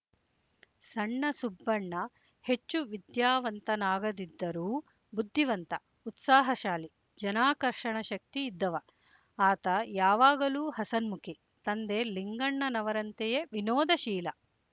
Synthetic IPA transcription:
sɐɳːɐsubːɐɳːɐ | het͡ʃːuʋid̪jaːʋɐnt̪ɐnaːɡɐd̪id̪ːɐɾuː | bud̪ʱːiʋɐnt̪ɐ | ut̪saːɦɐʃaːli | d͡ʒɐnaːkɐɾʂɐɳɐʃɐk̚t̪iːd̪ːɐʋɐ | aːt̪ɐjaːʋaːɡɐluːhɐsɐnmukʰi | t̪ɐnd̪eliŋɡɐɳːɐnɐʋɐɾɐnt̪ejeʋinoːd̪ɐʃiːlɐ

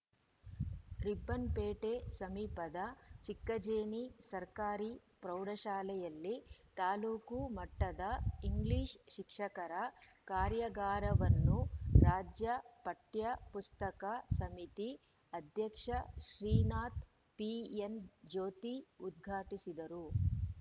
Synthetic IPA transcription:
ɾibːɐnpeːʈesɐmiːpɐd̪ɐt͡ʃikːɐd͡ʒeːnisɐɾkaːɾipɾɐwɽɐʃaːlɛjɐlːit̪aːluːkumɐʈːɐd̪ɐiŋɡliːʃʃikʂɐkɐɾɐ | kaːɾjɐɡaːɾɐʋɐnːuɾaːd͡ʒjɐpɐʈjɐpust̪ɐkasɐmit̪i | ɐd̪ʱjɐkʂɐʃɾiːnaːt̪ | piend͡ʒoːt̪iud̪̚ɡʱaːʈisid̪ɐɾu

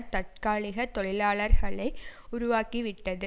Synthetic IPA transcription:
ɾt̪ɐʈ̚kaːɭɪɣɐt̪ɔɭɪlaːɭɐɾɣɐɭɐɪʊɾʊʋaːkiʋɪʈːɐðɯ

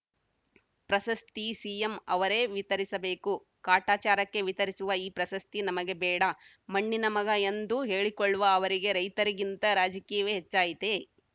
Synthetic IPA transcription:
pɾɐsɐst̪isiːjemɐʋɐɾeːʋit̪ɐɾisɐbe̞ːku | kaːʈaːt͡ʃaːɾɐkːe̞ʋit̪ɐɾisuʋɐiːpɾɐsɐst̪inɐmɐɡe̞bɛːɽɐ | mɐɳːinɐmɐɡɐend̪uɦe̞ːɭikoɭːuʋɐːʋɐɾiɡe̞ɾɐjt̪ɐɾiɡint̪ɐɾaːd͡ʒɐkiːjɐʋeːɦet͡ʃːaːjit̪e

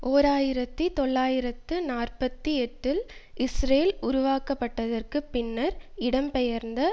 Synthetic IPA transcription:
ʔoːɾaːjɪɾɐt̪ːit̪ɔɭːaːjɪɾɐt̪ːɯnaːrpɐt̪ːiɛʈːɪlʔɪsɾeːlʊɾʊʋaːkɐpːɐʈːɐðɐrkɯpɪnːɐɾɪɽɐmpɛjɐɾnd̪ɐ

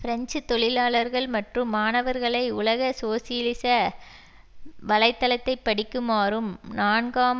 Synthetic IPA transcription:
fɪɾɐɲt͡ʃɯt̪ːɔɭɪlaːɭɐɾɣɐɭmɐʈrɯmːaːnɐʋɐɾɣɐɭɐɪʊlɐɣɐsoːsɪjlɪsɐ | ʋɐlɐɪt̪ːɐlɐt̪ːɐɪpːɐɽɪkːɯmaːrɯmnaːnɡaːm

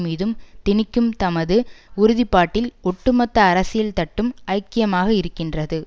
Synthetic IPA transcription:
miːðɯmt̪ɪnɪkːɯmt̪ɐmɐðɯʊɾʊðɪpːaːʈːɪlɔʈːɯmɐt̪ːɐːɾɐsɪjɐlt̪ɐʈːɯmɐɪkːɪjɐmaːɣɐɪɾɯkːɪndrɐðɯ

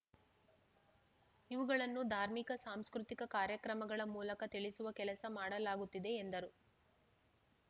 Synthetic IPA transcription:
iʋuɡɐɭɐnːud̪ʱaːɾmikɐsaːmskɾut̪ikɐkaːɾjɐkɾɐmɐɡɐɭɐmuːlɐkɐt̪iɭisuʋɐkɛlɐsɐmaːɽɐlaːɡut̪ːid̪e̞ːnd̪ɐɾu

